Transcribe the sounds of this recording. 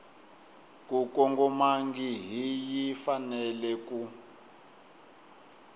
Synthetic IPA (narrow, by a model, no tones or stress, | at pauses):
kukɔŋɡɔmaŋɡiɦijifanɛlɛku